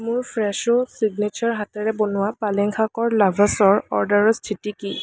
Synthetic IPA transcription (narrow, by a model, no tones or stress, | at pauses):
mʊɹpʰɹɛʃʊsiɡnet͡ʃaɹɦatɛɹɛbonʊwapalɛŋkʰakɔɹlabʱasɔɹɔ̰ɹdaɹɔstʰitiki